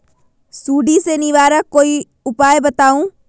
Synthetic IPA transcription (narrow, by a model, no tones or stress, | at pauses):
suːɖisenɪʋaːɾəkːoːi | ʊpaːjbɐt̪aːũː